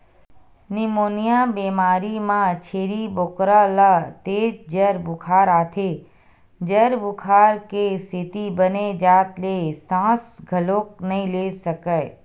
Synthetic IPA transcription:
nimoːnijabeːmaːɾimãt͡ʃʰeːɾiboːkɾalat̪eːd͡ʒd͡ʒəɾbʊkʰaːɾaːt̪ʰe | d͡ʒəɾbʊkʰaːɾkesɪt̪ibəned͡ʒaːt̪lesãːsɡʱəloːk̚nɐɦĩlesəkə

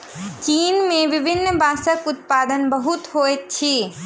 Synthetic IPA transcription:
t͡ʃiːnmẽʋɪbʱɪnːbaːsəkʊt̪̚paːd̪ənbəɦʊt̪ɦoett͡ʃʰiː

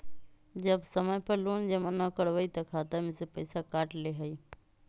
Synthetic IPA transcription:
d͡ʒəbsəməjpɐɾloːnd͡ʒəmənãkəɽʋəit̪ɐkʰaːt̪amẽsepəɪsakaːʈleɦəi

